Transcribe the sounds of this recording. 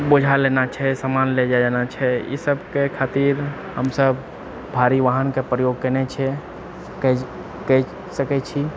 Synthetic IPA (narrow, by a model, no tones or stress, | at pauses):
bod͡ʒʱalenat͡ʃʰɛsamanled͡ʒad͡ʒanat͡ʃʰɛjḭsəbkekʰat̪iɾ | ɦəmsəb | bʱaɾiʋaɦənkepɾəjoɡ̚kənɛt͡ʃʰɛ | kɛ | kɛ | səkɛt͡ʃʰi